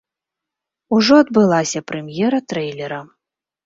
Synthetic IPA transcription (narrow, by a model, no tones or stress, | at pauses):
uʐɔɐd̪̚bɨlˠasʲɐpɾɛmʲjɛɾɐt̪ɾɛjlʲɛɾɐ